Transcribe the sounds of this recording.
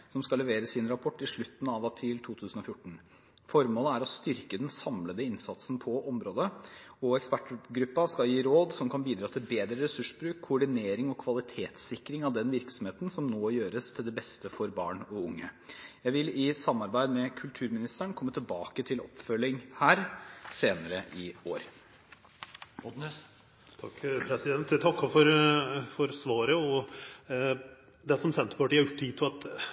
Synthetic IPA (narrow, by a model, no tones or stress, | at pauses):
sɔmskɑlɛʋeːɾəsɪnɾɑpʰɔʈːɪʂɭʉt̪ːn̩ɑʋɑpʰɾiːlt̪ʰuːt̪ʰʉːsən̩ɔfjʊʈːn̩ | fɔɾmoːləæɾɔst̪ʏɾkəd̪ɛnsɑmləd̪əɪnsɑt̪sn̩pʰɔʔɔmɾoːd̪əɔɛkspæʈɡɾʉpːɑskɑljiːɾoːd̪sɔmkʰɑnbiːd̪ɾɑːt̪ʰɪlbeːd̪ɾəɾɛsʉʂbɾʉːkʰːʊɔɖɪneːɾɪŋɔkʰʋɑlɪt̪ʰeːt̪sɪkːɾɪŋɑʋd̪ɛnʋɪɾksɔmheːt̪nsɔmnoːjøːɾəst̪ʰɪld̪ɛbɛst̪əfɔɾbɑ̰ːɳɔʊŋːəjæɪʋɪlɪsɑmːɑɾbæɪd̪mɛkʰʉlt̪ʰʉːɾmɪnɪst̪æɳkʰɔmːət̪ʰɪlbɑːkət̪ʰɪlɔ̰pːfœlːɪŋhæːɾseːnəɾəʔɪoːɾ | ɔd̪nɛs | t̪ʰɑkːpʰɾɛsɪd̪ɛnt̪t̪ʰɑkːɔfɔɾfɔɾsʋɑːɾəɔ | d̪ɛsɔmsɛnt̪əpʰɔʈɪɛɾjʊʈ̪ːʰiːt̪ʰɪɑt̪